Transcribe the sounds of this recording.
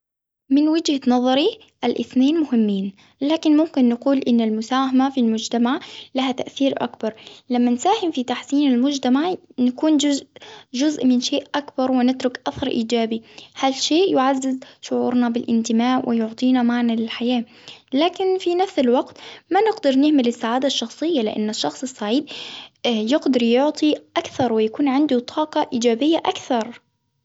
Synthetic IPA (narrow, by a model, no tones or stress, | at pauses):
mɪnwɪd͡ʒhanɑðˤɑɾi | ʔalʔɪ̰θneːnmʊhɪmːiːn | laːkɪnmʊmkɪnːɪquːlʔɪnːalmʊsaːhamafilmʊd͡ʒt̪amaʕlaɦat̪aʔθiːɾʔa̰kbɑɾˤlamːansaːhɪmfit̪aħsiːnɪlmʊd͡ʒt̪amaʕnakuːnd͡ʒʊzd͡ʒʊzʔmɪnʃeːʔʔakbɑɾˤwɪnɪt̪ɾʊkʔaθɑɾˤʔiːd͡ʒaːbihalʃeːʔjʊʕazːɪzʃʊʕuːɾnabɪlʔɪ̰nt̪ɪmaːʕwʔɪjʊʕt̪ˤiːnamaʕnalɪlħajaː | laːkɪnfinafsɪlwɑɡt̪manɪɡd̪ɪɾˤnɪhmɪlɪsːaʕaːd̪aʃːɑxsˤɨjːalɪ̰ʔa̰nːaʃːɑxsˤɨsˤːaʕiːd̪ | jɪɡd̪ɑɾˤjʊʕt̪ˤiʔakθɑɾˤwɪjakuːnʕɪnd̪ut̪ˤʰɑːqɑʔiːd͡ʒaːbɪjːaʔakθɑɾˤ